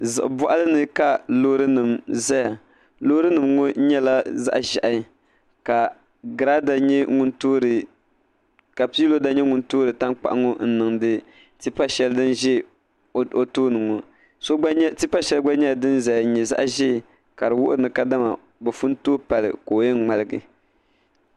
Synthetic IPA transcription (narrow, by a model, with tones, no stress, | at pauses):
zɨ̰˨ʔbʊ˨ʔa˦lɨ˦nɨ˦ka˨loː˦ɾɨ˦nɨ˨mza˦ja˨ | lo˦ɾɨ˦nɨ˨mŋo˦ɲɛ˦la˦za̰˦ʔʒa˨ʔa˨˦ | ka˨ | ɡɾa˦da˨ɲɛ˦ŋʊ˦ntoː˦ɾɨ˨ | ka˨pi˦lo˦da˦ɲɛ˦ŋʊ˨ntoː˦ɾɨ˨ta˦ŋk͡pa̰˨ʔa˦ŋo˦n̩˦nɨ˨ŋdɨ˦ | ti˦pa˦ʃɛ˦ldɨ˦nʒɛ˦˨ | o˦toː˦nɨ˨ŋo˨ | so˦ti˦pa˦ʃɛ˦lɡ͡ba˦ɲɛ˦ja˨dɨ˦nza˨ja˨˦ɲɛ˨za̰˦ʔʒɛ˦˨ | ka˨ɾɨ˨wʊ̰˦ʔʊ˦ɾɨ˨nɨ˨ka˦da˦ma˨ | bɛ˨fu˦ntoː˦pa˨lɨ̰˨koː˨jɛ˦nŋ͡ma˨lɨ˦ɡɨ̰˨